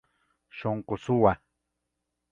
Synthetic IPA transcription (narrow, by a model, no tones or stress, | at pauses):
ʃoɴqosʊwa